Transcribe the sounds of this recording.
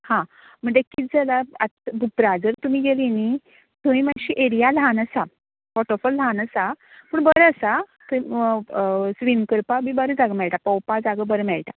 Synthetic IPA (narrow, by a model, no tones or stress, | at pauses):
hã | m̤əɳd͡zekit̪̚d͡zəlaat̪bʱupɾad͡zəɾt̪umiːɡelini | t̪umiːmənɕiʔeɾijalɦanəsa | fɔʈofɔllɦanəsa | pəːɳbəɾəsat̪u | sʋimkəɾpabibəɾəd͡zaɡəmɛɭʈapəwpad͡zaɡəbəɾəmɛɭʈa